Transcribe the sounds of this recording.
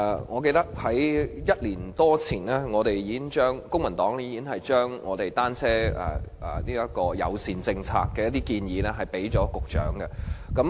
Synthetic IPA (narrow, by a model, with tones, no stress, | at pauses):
ŋɔː˨˧k̬e˧jt̪ɐ˥k̚hɐ˨˥jjɐ˥t̚liː˨˩nt̪ɔː˥t͡sʰiː˨˩nlɛː˥ŋɔː˨˧ɾe˨jjiː˨˧˥kɪ˥ŋt͡ʃœː˥ŋkʊ˥ŋmɐ˨˩nt̪ɔː˨˥ŋiː˧i˧kɪ˥ŋhɐ˨jt͡ʃœː˥ŋŋɔː˨˧t̪e˨jt̪aː˥nt͡sʰɛː˥ɛ̰ː˨˩ɛ˨˩niː˥jɐ˦˥kɔː˧jɐ̰˨˧wsiː˨nt͡sɪ˧ŋt͡sʰa̰ː˧kːɛː˧jɐ˥t̪̚iː˥kiː˧njiː˨˧nɛ˥ɦɐ˨˩jpe˨˥jt͡ʃɔː˨˥kʊ˨k̚t͡ʃœ̰ː˨˥ŋɡɛ˧kɐ˨˦˥m